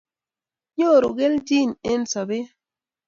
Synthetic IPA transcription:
ɲo˦˨ɾo˨ɡe˦ldi˦˨ne˦n̩˦sa˨be˦

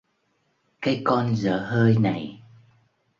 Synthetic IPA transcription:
kaː˨˦jkɔ˧nzə̰ː˧˩həː˧jna˨˩j

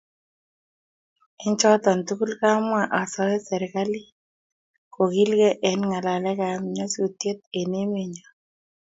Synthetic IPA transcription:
ɪ˦ɲt͡ʃɔ˦tɔ˨ntu˦ku˦lka˦mwa˦˨ʔa˨sɔ˦ɛ˦sɛ˨ɾka˦li˦ | ko˨ki˦lkɛ˦ʔɛ˨˦nŋa˨la˨lɛ˦ka˨m˨ɲɔ˦su˨tje˦t̪̚e˨ne˦me˨ɲɔ˨

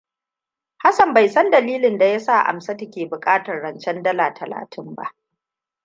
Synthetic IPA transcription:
ha˦sɐ˨mba˨jsɐ˦ndɐ˨liː˦lɪ˨nda˨ja˦sa˦˨ʔa̰˨msa˦tɐ˦kʲeː˨bʊ˨kʼaː˦tɐ˨rːɐ˨nt͡ʃɛ˦ndɐ˦laː˨tʰɐ˨la̰ː˨tʰɪ˦mba̰˦ʔ

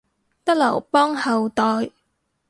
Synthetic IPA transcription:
t̪ɐ˥k̚lɐ˨˩wpɔː˥ŋhɐ˨wt̪ɔː˨j

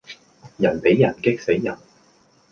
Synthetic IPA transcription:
jɐ˨˩npe˨˥jːɐ˨˩nkɪ˥k̚se˨˥jːɐ˨˩n

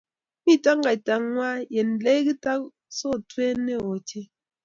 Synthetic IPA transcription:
mi˦˨ta˦ŋ˦ɡa˨ta˨ŋŋwa˦je˨n˨le˦ɡi˦ta˦k̚ | sɔ˦˨twe˦ne˦˨wo˨te˦

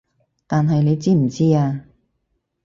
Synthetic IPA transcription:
t̪aː˨nɦɐ˨jne˨˧jt͡siː˥m̩˨˩t͡siː˥aː˧

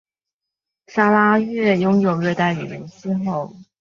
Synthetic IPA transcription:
sa˥la˥ɥɛ˥˩jʊ˥ŋjo˨˩ʊɥɛ˥˧t̪a˥˩ɪy˨˩ɻə˧˥˦nt͡ɕi˥xo˥˩ʊ

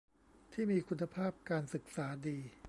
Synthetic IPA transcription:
t̪ʰiː˥˩miː˧kʰu˧nːa˧pʰaː˥˩p̚kaː˧nsɯ˨˩k̚saː˩˦diː˧

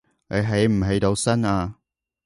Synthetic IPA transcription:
ne˨˧jɦe˨˥jm̩˨˩ɦe˨˥jt̪o˨˧wsɐ˥naː˧

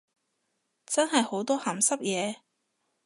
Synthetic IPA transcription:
t͡sɐ˥nhɐ˨jho˨˧˥wt̪ɔː˥hɐː˨˩msɐ˥p̚jɛː˨˧

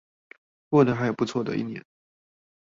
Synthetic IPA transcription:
kwɔ˥˩nə˧˥˩xa˥ɪjo˨˩ʊpu˧˥t͡sʰwɔ˥˩d̪ə̰˨˩ḭ˥˩njɛ̰˥˩n

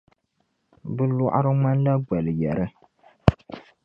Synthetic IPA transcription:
bɨ˦lɔ˦˨ʔa̰˦ɾɨ˦ma˦n˦la˦ɡ͡ba˨lɨ˨jɛ˨ɾɨ˦

